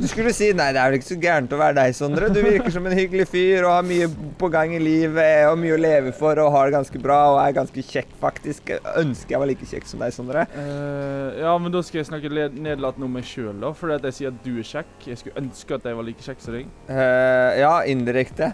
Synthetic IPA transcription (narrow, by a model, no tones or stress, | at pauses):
d̪ʉskʉlːəsiːnæɪd̪ɛæɾʋɛlɪkːə̥sɔɡæːɳt̪ɔʋæːɾəd̪æɪsɔnd̪əɾəd̪ʉʋɪɾkəʂɔmɛnhʏɡəlɪfyːɾɔhɑɾmyːəpɔɡɑŋːɪliːʋəɔmyːəɔleːʋəfɔɾɔɦɑɖɛɡɑnskəbɾɑːɔæɾɡɑnskəçɛkːfɑkt̪ɪskœnskəɾjæʋɑɭiːkəçɛ̰kːsɔmd̪æɪsɔnd̪ɾə | jɑːmɛnd̪oːskɑlæɪsnɑkːəneːd̪lɑt̪nəɔmːæɪʃøːlɔfɔɖiːɑt̪̚dæɪsiːɾɑt̪̚d̪ʉæɾɕɛkːjæɪskʉʔœnskəɑt̪̚d̪æɪʋɑɭiːkəɕɛkːsɛɾɪŋ | jɑːʔɪnd̪ɪɾɛkt̪ə